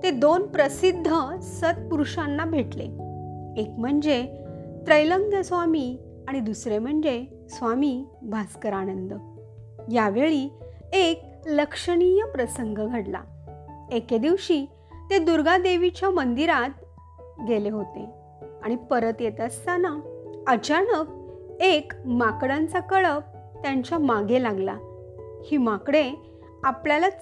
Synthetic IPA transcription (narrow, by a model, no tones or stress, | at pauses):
t̪ed̪onpɾəsid̪ʱːəsət̪̚puɾʂanːabʱeʈlḛ | ekm̤əɳd͡zet̪ɾəjləŋɡʱəsʋami | aɽ̃id̪usɾem̤əɳd͡ze | sʋamiː | bʱaskəɾanənd̪ə | jaʋeɭi | ek̚ | ləkʂəɽijəpɾəsəŋɡəɡʱəɽla̰ | eked̪iʋɕiː | t̪ed̪uɾɡad̪eʋit͡ɕjamənd̪iɾat̪̚ | ɡeleɦot̪ḛ | aɽ̃ipəɾət̪jet̪əst̪anaət͡ɕanək̚ekmakɽant͡sakəɭəp̚ | t̪jaɲt͡ɕjamaɡelaɡla̰ | hiːmakɽe | apljala